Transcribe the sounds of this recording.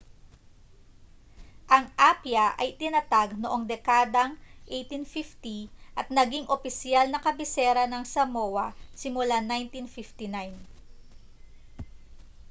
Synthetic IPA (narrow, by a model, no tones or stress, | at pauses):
ʔɐŋʔapjɐʔɐ̰jt̪ɪnɐt̪aɡ̚noʔo̞ŋd̪ɛkaːd̪ɐŋʔɛjt̪infift̪iʔɐt̪̚nɐɡiŋʔopɪsjalnɐkɐbɪsɛɾɐnɐŋsɐmowɐsɪmʊlanajnt̪infift̪inajn